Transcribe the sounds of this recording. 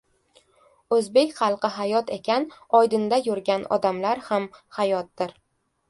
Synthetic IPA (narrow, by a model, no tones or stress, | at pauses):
ɵzbe̞kʲχɑlˠqɨɦajɒt̪ʰe̞kʲʰanɒjd̪ɪnd̪ajʊɾɡʲanɒ̰d̪amlaɾhamhajɒt̪̚d̪ɪɾ